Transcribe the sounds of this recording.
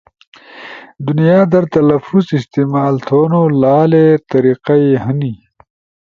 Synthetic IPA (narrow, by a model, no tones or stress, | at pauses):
d̪unijaːd̪ɐɾt̪ɐlɐfuzɪst̪emaːlt̪ʰoːnolaːlet̪ɐɾiqajeɦɐni